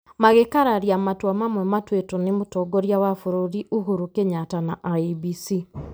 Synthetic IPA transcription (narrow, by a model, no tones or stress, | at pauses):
maɣekaɾaɾijamatwamamwɛmatwetonemotɔɡoɾjawafoɾoɾiʔuɦuɾukeɲatanaʔaibisi